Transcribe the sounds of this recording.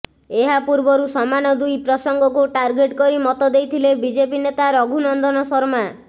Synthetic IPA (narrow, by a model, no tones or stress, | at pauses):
eɦapuɾbɔɾusɔmanɔd̪ujpɾɔsɔŋɡɔk̬uʈaɾɡeʈkɔɾimɔt̪ɔd̪ejt̪ʰilebid͡ʒepinet̪aɾɔɡʱunɔnd̪ɔnɔsɔɾma